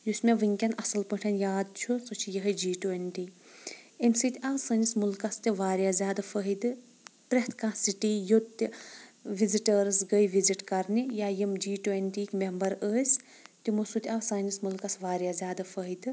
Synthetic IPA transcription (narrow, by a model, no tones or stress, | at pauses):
jusʲmeʋɨŋʲkʲɐnɐsɐlpəʈʰɐnjaːd̪̚t͡ʃʰusut͡ʃʰijəɦɐd͡ʒiːʈuenʈiː | emsit̪ʲɐʋsɐːnismulkɐst̪iʋaːɾjaːzʲjaːd̪ɨfəɦid̪ɨ | p̪ɾeht̪ʰkãsiʈijot̪ːiʋiziʈəɾsɡəjʋiziʈkɐɾnijaːjimd͡ʒiːʈuenʈiːkʲmembɐɾəːsʲ | t̪imusut̪ʲɐʋsɐːnismulkɐsʋaːɾʲjaːzʲaːd̪ɨfəɦid̪ɨ